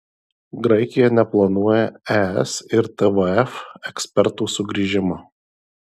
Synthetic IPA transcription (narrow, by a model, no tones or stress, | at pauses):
ɡɾɐɪkʲɪjɛnʲɛplˠɐnuɔjɛæɛ̰sɪɾt̪ɛʋəɛfɛksʲpʲɛɾt̪uːsʊɡɾʲiːʒʲɪmɐ